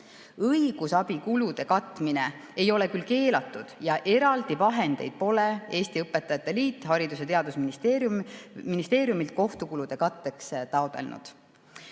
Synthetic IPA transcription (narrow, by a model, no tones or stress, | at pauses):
ɤiɡ̥usɑbikulud̪̥e̞kɑt̪ːˑmine̞ | e̞jo̞le̞kylke̞ːlɑt̪ːˑud̪̥jɑʔe̞ɾɑld̪ivɑɦe̞nd̪̥e̞̰jd̪̥̚po̞lee̞ːst̪iɤpːˑet̪ːˑɑjɑt̪ːˑe̞liːt̪ːˑhɑɾid̪us̬et̪e̞ɑd̪̥usminist̪e | minist̪e̞ːɾjumilt̪̚ko̞ht̪ukulud̪̥e̞kɑt̪ːe̞kst̪ɑod̪̥e̞̰lnṵd̪̥